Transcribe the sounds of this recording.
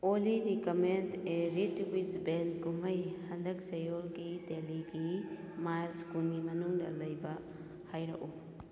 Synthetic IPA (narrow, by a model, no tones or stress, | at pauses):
oliɾikɐmendeɾitwisbenɡumɐjhɐndɐk̚sɐjolɡideliɡi | majlskulɡimɐnuŋdɐ̰lɐjbɐ | hajɾɐ̰ʔu